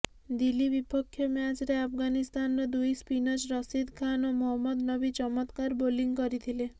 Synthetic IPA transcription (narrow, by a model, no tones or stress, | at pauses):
d̪ilibipɔkʰːjɔmjad͡ʒɾeapʰɡanist̪anɾɔd̪ujspinɔd͡ʒɾɔsid̪kʰanomɔɦɔmːɔd̪nɔbit͡ʃɔmɔt̪kaɾboliŋɡkɔɾit̪ʰile